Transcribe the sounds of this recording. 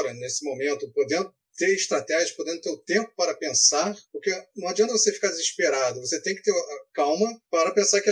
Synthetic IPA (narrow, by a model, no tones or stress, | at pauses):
ɾɐnesɪmomẽnt̪ʊpod̪ẽnd̪ʊ | t̪eɾiʃt̪ɾat̪ɛʒiɐpod̪ẽnd̪ʊt̪eɾʊt̪ẽmpʊ̥paɾɐpẽsaɾpʊɾkeñw̃ad͡ʒiɐ̃t̪ɐvosefi̥kaɾd͡ʒɪziʃpeɾad̪ʊvoset̪ẽj̃kɪt̪eɾakawmɐpaɾɐpẽsaɾkɪ